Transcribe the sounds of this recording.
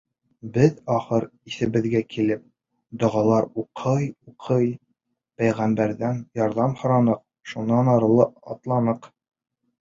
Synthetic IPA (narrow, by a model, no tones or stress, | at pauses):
bɘðɒχɤɾiθɘ̆bɘ̆ðɡækʰilɘp̚ | d̪ŏʁɑlˠɑɾuqʰɤjuqʰɤj | pæjʁæmbæɾðænjɒɾðɑmhŏɾɑnɤq̚ | ʃunːɑnɑɾɤ̆lˠɤɒt̪lˠɑnɤq